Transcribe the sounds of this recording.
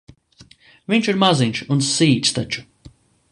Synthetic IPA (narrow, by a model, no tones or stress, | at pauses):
viɲt͡ʃiɾmaziɲʲʃunsiːt̪ʲst̪at͡ʃu̥